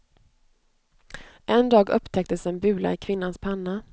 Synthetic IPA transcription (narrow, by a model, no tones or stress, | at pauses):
ʔɛnd̪ɑːɡɵpːt̪ʰɛk̚t̪əsɛnbʉ̟ːla̰ɪkʰvɪnːanspʰanːa